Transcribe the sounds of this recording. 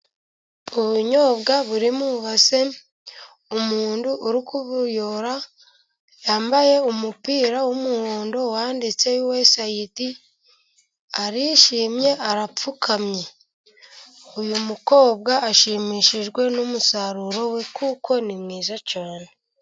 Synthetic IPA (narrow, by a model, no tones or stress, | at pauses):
oβuɲo̞ːbɡaβuɾimuβase̞ | omuːnduʔːɾikuβuɾjoɾa | jaːmbaje̞umupiːɾawomuhoːndo̞waːndit͡se̞uwe̞sajiti | aɾiʃiːmje̞ʔaɾap͡fukʰamɲe̞ | omumuko̞ːb̚ɡaːʃiːmiːʃiʒɡwe̞numusaɾuɾo̞we̞kuko̞nimŋiːzacaːne